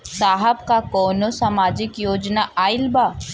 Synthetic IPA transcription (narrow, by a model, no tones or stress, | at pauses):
saːɦəbkakɔːnosamaːd͡ʒɪkjoːd͡ʒnaʔaːɪlbaː